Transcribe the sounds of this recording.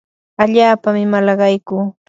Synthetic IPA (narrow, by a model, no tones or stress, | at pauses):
aʎaːpamɪmalɑɢɑjkuː